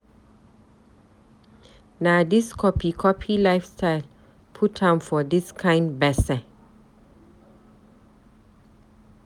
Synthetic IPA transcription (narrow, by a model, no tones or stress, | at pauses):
naʊdiskʰɔpʰikʰɔpʰilafstʰaɪl | pʰutʰhãmfɔdiskʰãɪ̃ndbɛsə̃